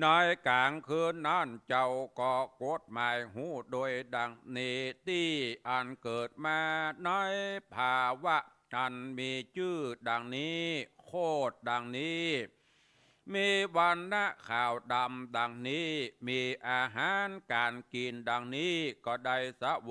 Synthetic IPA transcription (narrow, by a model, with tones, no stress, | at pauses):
nɔː˧˥jkaː˨˦ŋkʰɯː˧nːa˧˥˨nt͡ɕa˧wkɔː˧˩ko˧˦˥t̪̚maː˨˧jɦuː˧˥˩doː˧jda˧ŋniː˧t̪iː˧˩ʔa˨˧nkɤː˨˩t̪̚maː˧nɔː˧˥jpʰaː˧wa˧˥˩ʔ | ʔa˧nmiː˧t͡ɕɯː˧˥˩da˧ŋniː˦˥kʰoː˥˩t̪̚ɗa˧ŋniː˦˥ | miː˧wa˧nːa˧˥˩ʔkʰaː˨˩wɗa˧mda˧ŋniː˦˥miː˧ʔaː˧ɦaː˨˦nkaː˨nkiː˧nda˧ŋniː˦˥kɔː˧˩da˧jsa˧˦˧